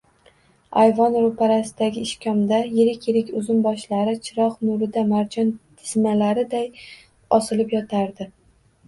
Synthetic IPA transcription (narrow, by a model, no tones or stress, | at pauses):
ajvɒnɾʊpʰaɾasɪd̪aɡʲɪːʃkʲʰɒmd̪ajeɾɪkʲjeɾɪkʲʊzʊmbɒʃlaɾɪt͡ʃʰɪɾɒqnʊɾɪd̪amaɾd͡ʒɒnt̪ʰɪ̥zmalaɾɪd̪aj | ɒsɪlɪpjɒt̪ʰaɾd̪ɪ